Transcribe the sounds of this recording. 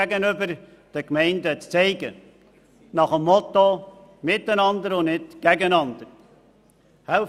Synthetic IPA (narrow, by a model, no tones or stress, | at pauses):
æɡənʏbəɾ | d̥əkmɛɪndət͡st͡sɛɪɡə | nɑχəmːɔt̪o | mɪt̪ːənɑnd̪əɾʊnɪtɡ̥æɡənɑnd̪əɾ | hælf